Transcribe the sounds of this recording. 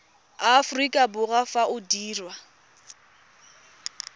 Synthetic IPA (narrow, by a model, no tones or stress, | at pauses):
afʊrikʼabʊɣafaʔʊdiːrwa